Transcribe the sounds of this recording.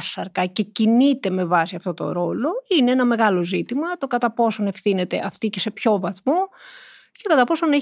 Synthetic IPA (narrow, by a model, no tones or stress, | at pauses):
sɐɾkɐce̞cinit̪e̞me̞vɐsiɐft̪o̞t̪o̰ɾo̞lo̞ineenɐme̞ɣɐlo̞zit̪imɐt̪o̞kɐt̪ɐpo̞so̞ne̞fθine̞t̪e̞̰ʔɐft̪ice̞se̞pço̞vɐθmo | ce̞kɐt̪ɐpo̞so̞ne